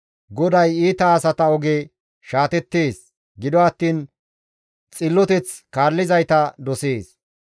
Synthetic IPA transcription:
ɡɔd̪ɐjiːt̪ɐːsɐt̪ɐɔɡeː | ʃaːt̪ɛt̪ːeːs | ɡɪd̪ɔɐt̪ːiːn | t͡sʼɪlːɔt̪ɛt͡skaːlːɪzɐjt̪ɐd̪ɔseːs

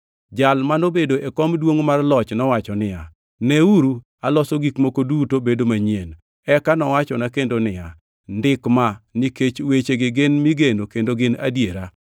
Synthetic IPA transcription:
d͡ʒalmanobedoʔekɔmdwoŋmarlɔt͡ʃnɔwat͡ʃɔnɪja | neuɾu | alɔsoɡikmokodutobedomaɲjen | ɛkanɔwat͡ʃɔnakendonɪja | ndɪkmaniket͡ʃwet͡ʃeɡɪɡɪnmiɡenokendoɡɪna̰djeɾa

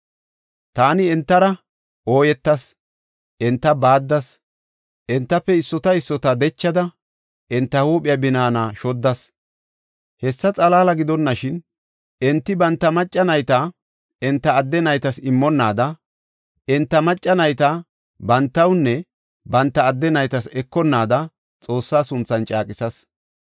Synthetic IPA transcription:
t̪aːnɪɛnt̪ːɐɾɐ | ʔo̞ːjɛt̪ːɐs | ʔɛnt̪ːɐbaːd̪ːɐs | ʔɛnt̪ːɐpːɛɪsːɔt̪ɐɪsːɔt̪ɐd̪ɛt͡ʃːɐd̪ɐ | ʔɛnt̪ːɐhuːpʼɪjɐbɪnaːnɐʃɔd̪ːɐs | hɛsːɐt͡sʼɐlaːlɐɡɪd̪ɔnːɐʃɪn | ɛnt̪ːɪbɐnt̪ːɐmɐt͡ʃʼːɐnɐjt̪a | ɪnt̪ːɐːd̪ːɛnɐjt̪ɐsɪmːɔnːaːd̪ɐ | ʔɛnt̪ːɐmɐt͡ʃʼːɐnɐjt̪a | bɐnt̪ːɐwnːɛ | bɐnt̪ːɐːd̪ːɛnɐjt̪ɐsɛkːɔnːaːd̪ɐ | t͡sʼo̞ːsːaːsʊnt͡sːɐnt͡ʃʼaːkʼɪsɐs

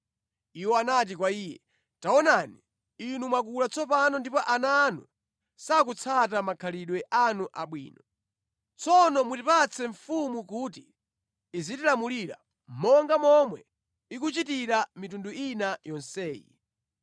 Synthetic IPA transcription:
iwɔanat̬ikwaiːjɛ̰ | taɔnani | inumwakulat͡sʰɔpanɔndipɔʔananṵ | sak̬ut͡sʰat̬amakʰaliɗwɛʔanuʔaɓwḭːnɔ | t͡sʰɔnɔmutipat͡sʰɛɱfumuk̬uːtiː | zitilamuliɾa̰ | mɔŋɡamɔmwɛ̰ | ik̬ut͡ʃitiɾamitunduinajɔnsɛːjḭ

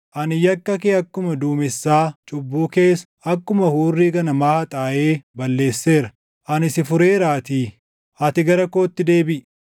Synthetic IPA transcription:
ʔɐnɪjɐkːɐkeːɐkːʊmɐd̪uːmɪsːaːt͡ʃʼʊbːuːke̞ːs | ɐkːʊmɐhuːrːiːɡɐnɐmaːhɐt̪ʼaːʔeːbɐlːe̞ːsːe̞ːɾɐ | ʔɐnɪsɪfʊɾe̞ːɾaːt̪iː | ɐt̪ɪɡɐɾɐko̞ːt̪ːɪd̪e̞ːbɪʔ

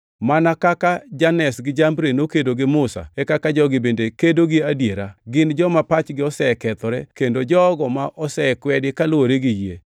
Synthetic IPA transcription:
manakakad͡ʒanɛsɡɪd͡ʒambɾenokedoɡɪmʊsa̰ɛkakad͡ʒɔɡɪbendekedoɡɪadjeɾaɡɪnd͡ʒɔmapat͡ʃɡɪɔsɛkɛt̪ɔɾɛkendod͡ʒɔɡɔmaʔɔsɛɛkwɛdɪkalwoɾeɡɪjḛ

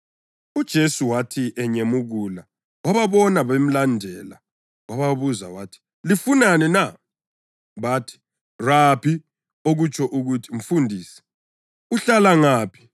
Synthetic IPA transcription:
ud̥ʒ̥ʱesuwatʰiʔɛɲemuɣuːla | waβaβɔnaβem̩landʱɛla̰ | waβaβuza̰watʰi̥ | lifunanɛna | βatʰi̥ | rapʰi | oɣut͡ʃʰɔʔuɣutʰim̩fundʱiːsɛ̥ | uɬalaŋaːpʰi̥

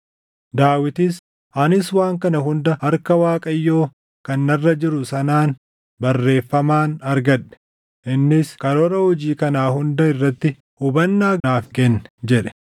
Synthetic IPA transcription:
d̪aːwɪt̪ɪs | ʔɐnɪswaːŋkɐnɐɦʊnd̪ɐhɐɾkɐwaːkʼɐjːo̞ː | kɐnːɐrːɐd͡ʒɪɾʊsɐnaːn | bɐrːe̞ːfːɐmaːnɐɾɡɐᶑɛ̥ | ʔɪnːɪskɐɾɔɾɐhɔd͡ʒiːkɐnaːɦʊnd̪ɐɪrːɐt̪ːɪ | hʊbɐnːaːaːfkɛnːɛ̥d͡ʒɛᶑɛ̥

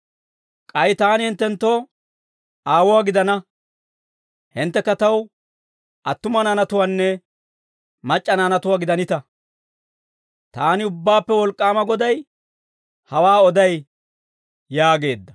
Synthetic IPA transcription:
kʼɐjt̪aːnɪhɪnt̪ːɛnt̪ːoː | aːwɔwaːɡɪd̪ɐnɐ | hɪnt̪ːɛkːɐt̪ɐw | ʔɐt̪ːʊmɐnaːnɐt̪ʊwanːɛ | mɐt͡ʃʼːɐnaːnɐt̪ʊwaːɡɪd̪ɐnɪt̪ɐ | t̪aːnɪʊbːaːpːɛwɔlkʼːaːmɐɡɔd̪ɐj | hɐwaːɔd̪ɐj | jaːɡe̞ːd̪ːɐ̥

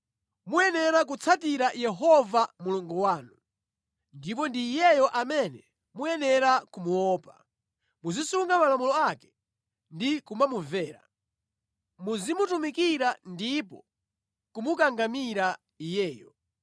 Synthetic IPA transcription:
mujɛnɛɾak̬ut͡sʰatiɾajɛɦɔvamuluŋɡuwaːnu | ndip̬ɔndiːjɛjɔʔamɛnɛ | mujɛnɛɾakumuwɔːpḁ̰ | muzisuŋɡamalamulɔakɛ̥ | ndikumamuvɛːɾa̰ | muzimutumikiɾandipɔ | kumukaŋɡamiɾa | ijɛːjɔ

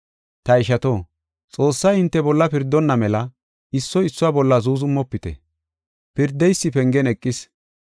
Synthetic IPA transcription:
t̪ɐɪʃɐt̪oː | t͡sʼo̞ːsːɐjɪnt̪ːɛbɔlːɐpɪɾd̪ːɔnːɐmɛlɐ | ɪsːɔɪsːʊwaːbɔlːɐzuːzʊmːɔpːɪt̪ɛ̰ | pɪɾd̪ːɛjsːɪpɛŋɡɛnɛkʼːɪs

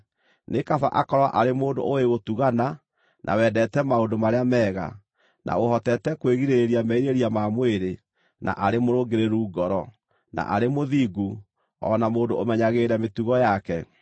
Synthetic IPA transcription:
nekafa̰ʔakɔɾwaʔaɾemoːndo̰oeɣotuɣana | nʔa̰wɛːdɛtɛmaodomaɾeamɛːɣa̰ | nʔa̰ohɔtɛtɛkweɣiɾeɾiamɛiɾeɾiamamweɾe | na̰ʔaɾemoɾoɡeɾeɾuːɡɔɾɔ | na̰ʔaɾemoðiɡu | ɔ̰namoːndoomɛɲaɣeːɾɛmetuɣɔjakɛ

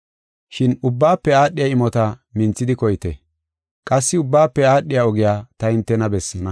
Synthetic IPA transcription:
ʃɪnʊbːaːpːɛaːɗːɪjaɪmɔt̪ɐmɪnt͡sːɪd̪ɪkɔjɪt̪ɛ | kʼɐsːɪʊbːaːpːɛaːɗːɪjaɔɡɪjaːt̪ɐɪnt̪ːɛnɐbɛsːɐnɐ

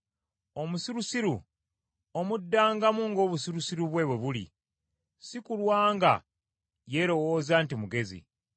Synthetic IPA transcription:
o̞musiɾusiɾu | omudːaːŋɡamuŋɡo̞ːβusiɾusiɾuβwe̞ːβwe̞βulḭ | sikulwaːŋɡa̰ | jeɾo̞wo̞ːzaːntimuɡe̞zḭ

